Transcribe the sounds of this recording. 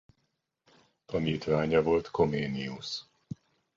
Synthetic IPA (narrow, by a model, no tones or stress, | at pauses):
t̪ɒniːt̪ʋaːɲɒvo̞lt̪ko̞meːnius